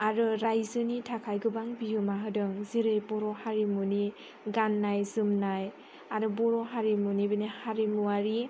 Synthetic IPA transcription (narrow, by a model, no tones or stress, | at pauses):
aɾɯɾajzɯnitʰakʰajɡɯbaŋbiɦɯmaɦɯdɯŋziɾɯjbɔɾɔhaɾimuni | ɡanːajzɯmnaj | aɾɯbɔɾɔɦaɾimunibɯnihaɾimuaɾi